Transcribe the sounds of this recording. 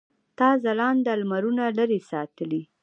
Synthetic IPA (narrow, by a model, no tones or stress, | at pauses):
t̪ɑzalɑnd̪əalmaɾunaləɾesɑt̪əli